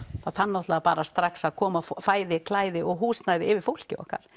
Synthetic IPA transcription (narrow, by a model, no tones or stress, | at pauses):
θaðθanːɔwht̪lɛapaːɾast̪ɾaksaðkʰɔːmaffaːjðɪkʰlaːjðɪʔɔɣɦuːsnajðɪɪvɪɾ̥fowl̥cɪ̰ɔ̰hka̰ɾ̥